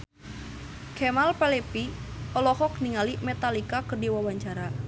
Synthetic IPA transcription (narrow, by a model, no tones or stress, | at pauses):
kɛmalpɛlepiɔlɔhɔk̚niŋalimɛt̪alikakərdiwawaɲt͡ʃaɾa